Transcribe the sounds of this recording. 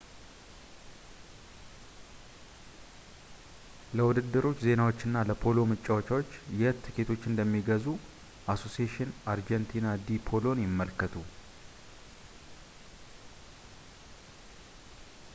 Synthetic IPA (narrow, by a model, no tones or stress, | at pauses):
ləwʊd̪ɨd̪ːɨɾo̞t͡ʃːze̞nawo̞t͡ʃːɨnːaləpʰo̞lo̞mɨt͡ʃʼːawot͡ʃawo̞t͡ʃːjɛt̪ʰːɨket̪ʰo̞t͡ʃːɨnd̪əmːiɡəzu | ʔaso̞sieʃɪnaɾd͡ʒɛnt̪ʰinad̪ipʰo̞lo̞njɪmːəlkʰːət̪ʰu